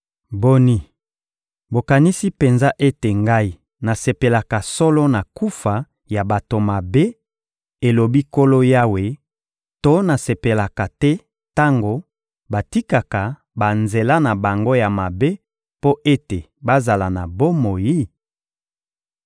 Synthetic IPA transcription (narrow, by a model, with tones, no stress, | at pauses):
bo˦ni˦ | bo˨ka˨ni˦si˦pe˨nza˦ʔe˦te˨ŋɡa˦i˨ | na˨se˨pe˨la˨ka˨sɔ˦lɔ˦na˨ku˦fa˨ | ja˨ba˨to˨ma˨be˦ | e˨lo˨bi˦ko˦lo˦ja˦we˨ | to˦na˨se˨pe˨la˨ka˨tɛ˦ | ta˦ŋɡo˨ | ba˨ti˦ka˨ka˨ | ba˨nze˨la˦na˨ba˨ŋɡo˦ja˨ma˨be˦ | po˦ʔe˦te˨ | ba˦za˨la˨na˨bo˦mo˨ji˦